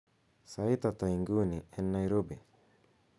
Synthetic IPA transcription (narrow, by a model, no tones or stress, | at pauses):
sait̪at̪aiŋɡuniɛnːaiɾobe